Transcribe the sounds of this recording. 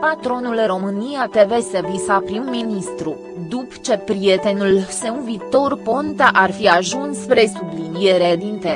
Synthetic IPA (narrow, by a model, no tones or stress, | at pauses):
pat̪ɾo̞nulɨro̞mɨnijat̪e̞ve̞sevisapɾimminist̪ɾu | d̪upt͡ʃe̞pɾie̞t̪e̞nulse̞unvit̪o̞rpo̞nt̪aʔarfiaʒunspɾe̞sublinije̞ɾelint̪e